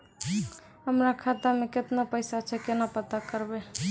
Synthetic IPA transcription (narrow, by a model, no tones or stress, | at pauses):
həmɾakʰat̪ameket̪napəɪsat͡ʃʰɛkenapət̪akəɾbe